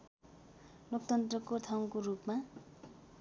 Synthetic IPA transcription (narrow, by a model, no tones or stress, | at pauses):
lok̚t̪ʌnt̪rʌkot̪ʰaw̃korupma